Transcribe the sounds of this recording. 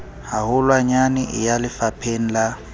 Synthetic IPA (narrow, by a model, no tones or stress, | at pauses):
haɦʊlwaɲanɪʔɪ̰jalɪfapʰen̩la